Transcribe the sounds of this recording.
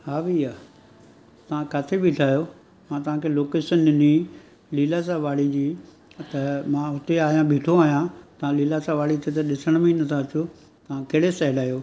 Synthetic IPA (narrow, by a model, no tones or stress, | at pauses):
ɦaːʋiaː | t̪ɐʋ̤ãkat̪ʰebʱɪʈʰaːjo | mãːt̪ɐʋ̤ãkʰeloːkeːʃənɪnĩ | liːlas̬ãʋaːɽid͡ʑiː | t̪ɐmãːʊt̪eaːɦijãbʱiːʈʰoaːɦijãt̪ɐʋãliːlasãʋaːɽit̪ʰet̪ɐɗɪsəɽ̃mẽnɐt̪ʰaɐt͡ɕo | t̪ɐʋ̤ãkeːɽesɛɦɪlaːjoː